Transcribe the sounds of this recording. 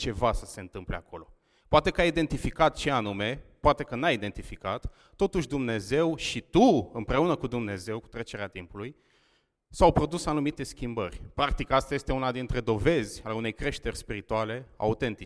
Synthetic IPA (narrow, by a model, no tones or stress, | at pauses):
t͡ʃe̞vasə̥se̞ɨnt̪ɨmpleakʰo̞lo̞ | poat̪e̞kəajid̪e̞nt̪ifikat̪t͡ʃe̞anume̞poat̪e̞kənajid̪e̞nt̪ifikat̪ː | o̞t̪uʃʲd̪umne̞ze̞wʃit̪uɨmpɾe̞unəkud̪umne̞ze̞wku̥t̪ɾe̞t͡ʃe̞ɾeat̪impuluj | sawpɾo̞d̪usanumit̪e̞skʲimbə̰rʲpɾak̚t̪ikast̪aje̞st̪e̞unad̪int̪ɾe̞d̪o̞ve̞zʲaleune̞jkɾe̞ʃt̪e̞rʲspiɾit̪uale̞a̰ut̪e̞nt̪i